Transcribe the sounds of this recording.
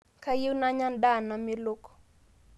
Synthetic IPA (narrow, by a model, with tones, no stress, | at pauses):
ka˦ji˦wna˦ɲa˦nda˦˨na˨me˦lo˦ko̥˨